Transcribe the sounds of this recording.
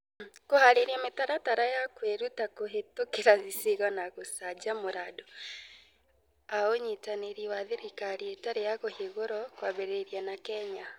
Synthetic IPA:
kohaɾeɾiametaɾataɾajakweɾutakoɦetokeɾaziseɣɔnaɣosad͡ʒamoɾaːdɔ | aoɲetaneɾiwaðeɾikaɾietaɾejakoheɣoɾɔkwaβeɾeɾianakɛɲa

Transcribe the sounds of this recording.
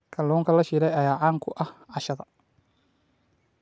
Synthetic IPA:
kʰɐlɔːŋkʰɐlɐʃiːɾɛjɐjaːʕaːŋkʰʊʔɐhʕɑʃɐðɐ

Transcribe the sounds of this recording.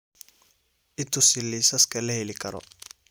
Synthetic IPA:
ʔɪt̪ʰʊsɪlisɐskʰɐlɐhɛlɪkʰɐɾɔ̰

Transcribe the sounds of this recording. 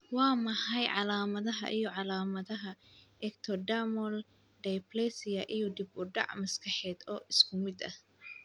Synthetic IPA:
wɑːmɐħɑjʕɑlaːmɐðɐɦɐ̰ʔijɔʕɑlaːmɐðɐɦɐɛkt̪ʰɔɖamɔl | ɖ̪ɛjplɛsɪjɐʔijɔd̪ɪbʊɖɑ̰ʕmɐskʰɐħɛːd̪ɔːʔɪskʰʊmɪd̪ɐh

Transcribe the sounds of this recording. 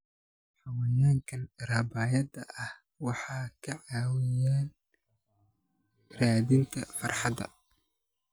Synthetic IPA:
ħɑwɛjaːŋkʰɐnrɐbaːjɐd̪ɐʔɐh | wɑħɑːkʰɐʕɑːwɪjaːn | raːðɪŋk̪ʰɐfɑrħɑd̪ɐ̰

